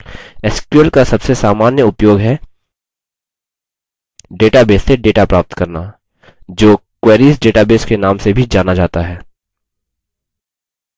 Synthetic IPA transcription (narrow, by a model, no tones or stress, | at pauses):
ɪskjəlkasɐbsesaːmaːnjəʊpjoːɡɦɛ | ɖeːʈabeːsːeɖeːʈapɾaːp̚t̪kɐɾna | d͡ʒoːkwɛːɾiːsɖeːʈabeːskenaːmsebʱid͡ʒaːnad͡ʒaːt̪aɦɛː